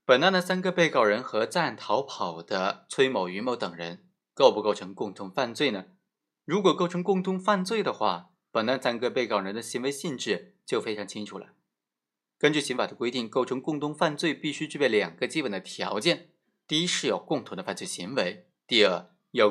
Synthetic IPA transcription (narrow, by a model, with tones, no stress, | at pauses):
pə˨˩na˥˩nd̪ə˨˩sa˥nɡə˧pe˥˧ɪkɑ˥˩ʊɻə˧˥nxɤ˧˥t͡sa˥˩nt̪ʰɑ˧˥ʊpʰɑ˨˩ʊd̪̥ə˦t͡sʰwe˥ɪmo˨˩ʊy˧˥mo˧˥ʊt̪ɤ˨˩ŋɻə˧˥n | ko˥˧ʊpu˥˧ko˥˩ʊʈ͡ʂʰɤ˧˥ŋkʊ˥˧ŋt̪ʰʊ˧˥ŋfa˥˧nt͡swe˥˩ɪnə˩ | ɻu˧˥kwɔ˨˩ko˥˩ʊʈ͡ʂʰɤ˧˥ŋkʊ˥˧ŋt̪ʰʊ˧˥ŋfa˥˧nt͡swe˥˩ɪd̪ə˩xwa̰˥˩ | pə˨˩na˥˩nsa˥nɡə˧pe˥˩ɪkɑ˥˩ʊɻə˧˥nd̪ə˧ɕi˧˥nwe˧˥ɪɕi˥˧nʈ͡ʂɻ̩˥˩ | t͡ɕjo˥˩ʊfe˥ɪʈ͡ʂʰɑ˧˥ŋt͡ɕʰi˥ŋʈ͡ʂʰu˨˩lə̰˦ | kə˥nt͡ɕy˥˩ɕi˧˥nfa˨˩d̪ə˦kwe˥ɪt̪i˥˩ŋko˥˩ʊʈ͡ʂʰɤ˧˥ŋkʊ˥˧ŋt̪ʰʊ˥ŋfa˥˧nt͡swe˥˧ɪpi˥˩ɕy˥ʈ͡ʂɻ̩˥˩pjɛ˥˩ljɑ˨˩ŋɡ̥ə˧˦t͡ɕi˥pə˨˩nd̪ə˦t̪ʰjɑ̰˧˥ʊt͡ɕjɛ˥˩n | t̪i˥˩˧i˥ʂɻ̩˥˩jo˨˩ʊkʊ˥˧ŋt̪ʰʊ˧˥d̪ə˧fa˥˧nt͡swe˥˩ɕi˧˥ŋwe˧˥ɪ | t̪i˥˧ə˞˥˩ | jo˥˩